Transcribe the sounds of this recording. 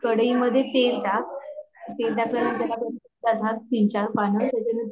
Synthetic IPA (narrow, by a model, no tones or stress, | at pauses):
kəɽiməd̪ʱːjet̪eld̪ak̚t̪eld̪akʰləɾant̪alapən | d̪ad̪ʱak̚t̪iɲt͡ɕaɾpanət̪at͡ɕan